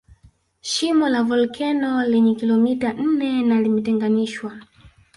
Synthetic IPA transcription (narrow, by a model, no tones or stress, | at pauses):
ʃimɔlavɔlkʰɛnɔlɛɲɛkilɔmitan̩nɛnalimɛtɛŋɡaniʃwa